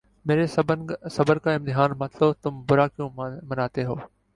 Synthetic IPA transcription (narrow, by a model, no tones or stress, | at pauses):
meːɾessəbəɾkaːɪ̃mt̪ɪɦaːnmət̪ʰlot̪ʊmbʊɾaːkjũːmənaːt̪eːɦoː